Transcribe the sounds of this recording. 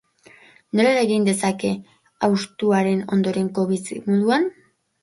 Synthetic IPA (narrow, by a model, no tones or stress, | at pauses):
no̞ɾeɾaeɣind̪e̞sake̞ | awst̪uaɾe̞no̞̰nd̪o̞ɾe̞ŋko̞βisimuðuan